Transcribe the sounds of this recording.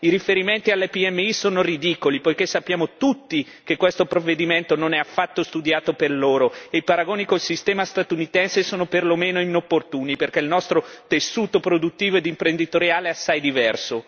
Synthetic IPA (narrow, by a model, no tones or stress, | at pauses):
iɾifeɾiment̪ialːepiɛmːeisoːnorid̪ikolipojk̟esːapːjaːmot̪ut̪ːi | kekːwest̪opɾovːed̪iment̪ononɛafːat̪ːost̪ud̪jaːt̪operloːɾoeipaɾaɡoːnikolsist̪ɛːmast̪at̪unit̪ɛnsesoːnoperlomeːnoinopːort̪uːniperkɛilnɔst̪ɾot̪esːuːt̪opɾod̪ut̪ːiːvoed̪impɾend̪it̪oɾjaːleɛasːajd̪ivɛrso